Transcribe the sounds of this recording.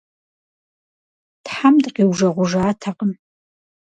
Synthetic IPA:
tħamdqiːwʒɐʁʷʊʐaːtʰaqʼəm

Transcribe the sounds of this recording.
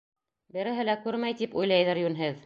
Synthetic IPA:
bɘ̆ɾɘ̆ɦɘ̆lækʉɾmæjt̪ipujlˠɑjðɤɾjʉnɦɘð

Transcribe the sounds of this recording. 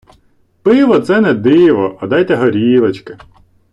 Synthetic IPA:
pɪʋɔt̪sɛnɛd̪ɪʋɔʔɐd̪ɑjt̪ɛɦɔɾʲiʋɐt͡ʃkɪ

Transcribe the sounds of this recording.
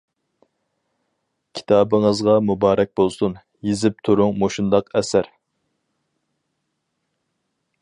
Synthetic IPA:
kʲʰi̥t̪ʰɑːbɨŋəzʁɑmubɑːɾɛk̚ʲbolˠsun | jezɪp̚t̪ʰuɾʊŋmoʃund̪ɑqɛsæɾ

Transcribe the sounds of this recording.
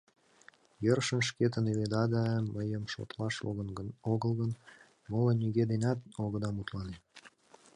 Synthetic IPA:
jərʃənʃ̬ket̪əneβed̪ɑd̪əməjəmʃo̰t̪lɑʃonoɣəlɣən | molənyɣed̪enʲɑt̪̚oɣəd̪ɑmut̪lɑne

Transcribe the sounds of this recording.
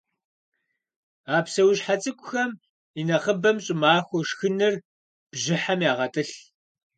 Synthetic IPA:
aːpsɐwɕħat͡sʼɨkʷʼʊxɐm | inɐʁəbɐmɕʼɪmaːxʷɔʂxɨnɨr | b̥ʑɪħamjaːʁɐtʼɨɬ

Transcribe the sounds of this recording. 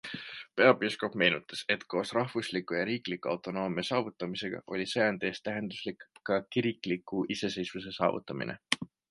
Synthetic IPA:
pe̞ɑbusko̞pme̞jnut̪ːˑɑse̞t̪ːko̞ːsrɑɦvuslikˑːujɑɾiːklikuɑ̰wt̪ːˑo̞no̞ːmiɑsɑːvut̪ˑːɑmise̞ɡ̥ɑ̰ʔo̞lʲiseɑnd̪̥e̞ːst̪ːæɦe̞nd̪̥uslikkːɑkiɾikˑlikːˑuʔise̞se̞jsvuse̞sɑ̰ːvṵt̪ːˑɑmḭnḛ

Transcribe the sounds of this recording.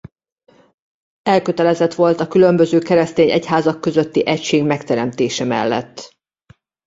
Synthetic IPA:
ɛlkø̞t̪ɛlɛzɛt̪ʋo̞lt̪ɒkylø̞mbø̞zøːkɛɾɛst̪eːɲɛ̰cɦaːzɒkːø̞zøt̪ːiʔɛcʃeːɡmɛkt̪ɛɾɛmt̪eːʃɛmɛ̰lːɛ̰t̪ː

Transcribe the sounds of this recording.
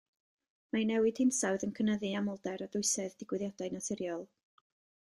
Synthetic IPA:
manɛwɪd̥hɪnsawðənkʰənəðɨamɔlˠdɛɾadʊɨsɛðdɪɡwɪðjadajnaθɪɾjɔlˠ

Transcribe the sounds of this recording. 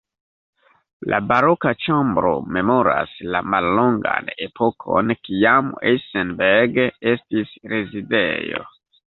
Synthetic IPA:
lʔa̰baɾo̞kat͡ʃambɾo̞̰me̞mo̞ɾa̰slamalːo̞ŋɡa̰ne̞pʰo̞kʰo̞nkiamḛsenbeɾɡe̞stisɾezidḛjo̞̰

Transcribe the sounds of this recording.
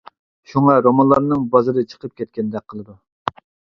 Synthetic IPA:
ʃuŋɑɾomɑnlˠɑɾnɨŋbɑzɨɾɨt͡ʃʰə̥qʰəp̚kʲʰɛt̪̚kʲɛnd̪ɛk̚ʲqʰəlˠɨd̪u

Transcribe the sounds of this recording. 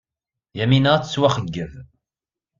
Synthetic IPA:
jæminəʁt͡sːət͡sːwæχəɡːəv

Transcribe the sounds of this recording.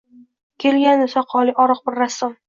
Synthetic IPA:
kʲʰe̞lɡʲanesaqʰɒlˠɪʔɒɾɨq̚bɪɾːasːʊm

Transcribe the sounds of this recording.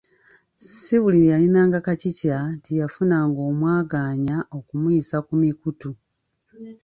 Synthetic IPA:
siβulijalinaːŋɡakacicatijafunaːŋɡo̞ːmwaːɡaːɲaʔo̞kumuisakumikutu

